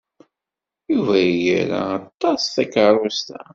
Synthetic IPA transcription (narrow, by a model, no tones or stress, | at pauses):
juvæjjəɾa̰ːt̪ːɑsθækɾˤust̪æ